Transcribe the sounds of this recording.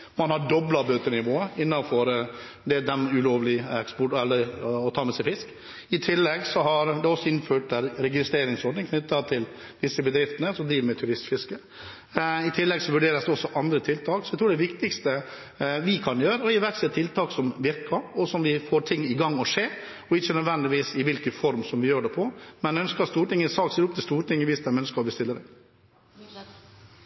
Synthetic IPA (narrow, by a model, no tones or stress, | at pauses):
mɑnhɑɖɔblɑbøːt̪əɳɪʋoːəɪnːɑnfɔɾ | d̪ɛd̪ɛmʉloːʋlɪɛkspɔʈɛlːəɾɔt̪ʰɑːmɛsɛɪfɪsk | ɪt̪ʰɪlːɛɡsɔɦɑɾd̪ɛɔsːɔɪnføːʈd̪æɾɾɛɡɪst̪ɾeːɾɪŋsɔɖɳnɪŋkʰnʏt̪ːɑt̪ʰɪl | d̪ɪsːəbəd̪ɾɪft̪ənəsɔmd̪ɾiːʋəmɛt̪ʰʉɾɪst̪fɪskə | ɪt̪ʰɪlːɛɡsɔʋʉɖeːɾəsd̪ɛɔsːɔʔɑnd̪ɾət̪ʰɪlt̪ʰɑːksɔɛt̪ʰɾuːɖɛʋɪkt̪ɪkst̪ə | ʋɪkʰɑnjøːɾəɔɪʋæɾksɛt̪ʰɪlt̪ʰɑːksɔmʋɪɾkɑɾɔsɔmʋɪfoːɾʈʰɪŋːɪɡɑŋːɔʂeː | ɔɪçːənœd̪ʋɛnd̪ɪʋiːsɪʋɪlkəfɔɾmsɔmʋɪjøːɖɛpʰɔmɛnɛœnskəɾɑt̪st̪uːɾʈɪŋːəsɑːkseːɾɔpt̪ɪst̪uːɾʈɪŋːəʋiːsd̪æmɛœnskəɾɔbəst̪ɪlːəɾɛ